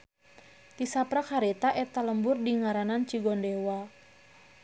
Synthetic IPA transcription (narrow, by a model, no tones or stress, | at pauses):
t̪isapɾakaɾet̪aʔɛt̪aləmbʊrdiŋaɾanant͡ʃiɡɔndewa